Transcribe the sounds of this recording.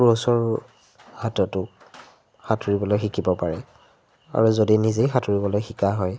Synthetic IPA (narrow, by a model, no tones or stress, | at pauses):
ɹosɔɹ | hatɔtʊ | xatʰuɹibɔlojxikʰibɔpaɹɛ | a̰ɹuzodinizejxatʰuɹibɔlojxikaɦɔj